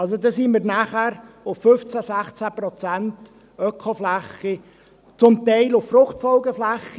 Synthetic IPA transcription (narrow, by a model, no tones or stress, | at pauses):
ɑlsod̪esiːmɪːɾnæχæɾ | ʊffʏft͡sæsæχt͡sæpɾɔt͡sænt | œkʰχoflæχi | t͡sʊmt̪ɛɪlʊfːrʊχtfɔlɡəflæχ